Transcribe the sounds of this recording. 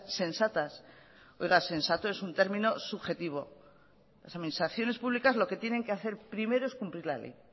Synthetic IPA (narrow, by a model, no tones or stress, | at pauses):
se̞nsat̪as | ojɣase̞nsat̪o̞e̞sunt̪e̞ɾmĩno̞suβxe̞t̪iβ̞o̞ | lasaðminist̪ɾaθjo̞ne̞spuβlikazlo̞ke̞t̪jene̞ŋkeaθe̞ɾpɾime̞ɾo̞e̞skumpliɾlalḛj